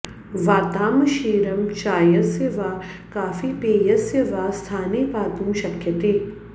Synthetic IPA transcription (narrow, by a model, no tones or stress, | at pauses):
ʋaːt̪aːmɐʃeːɾɐmt͡ʃaːjɐseʋaː | kaːfipeːjɐseʋaːst̪ʰaːneːpaːt̪ũːʃɐkʰjɐt̪eː